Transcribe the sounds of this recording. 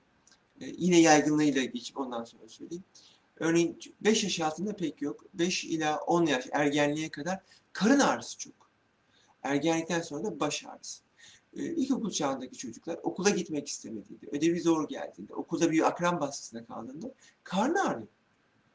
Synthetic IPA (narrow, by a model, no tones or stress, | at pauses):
jinɛjajɡɯnlˠɯjlˠaɟe̞t͡ʃʰi̥po̞nd̪anso̞nɾasøjlʲeim | ø̞ɾnejinbɛʃjaʃaːlˠt̪ʰɯnd̪apʰɛcjo̞kbɛʃḭlʲaʔo̞njaʃæɾɟænlʲijɛkʰad̪aɾ̥ | kʰaɾɯnaɾɯsɯ̥t͡ʃʰo̞k | æɾɟænlʲic̚t̪ʰænso̞nɾad̪abaʃa̰ːɾɯs | ilʲco̞kulˠt͡ʃʰaːnd̪aci̥t͡ʃʰo̞d͡ʒuklˠaɾo̞̰kulˠaɟit̪mɛci̥st̪ʰeme̞d̪ḭnd̪iʔød̪ebizo̞ɾɟæ̰lʲd̪ḭːnd̪ɛ̰o̞̰kʰulˠd̪abijakɾambaskʰɯ̥sɯnd̪akʰa̰lˠd̪ɯnd̪ɯ | kʰaɾnɯaːɾɯ